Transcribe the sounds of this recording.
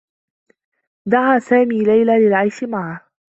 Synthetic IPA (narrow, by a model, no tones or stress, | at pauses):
d̪aʕaːsaːmiːlajlaːlɪlʕajʃɪmaʕah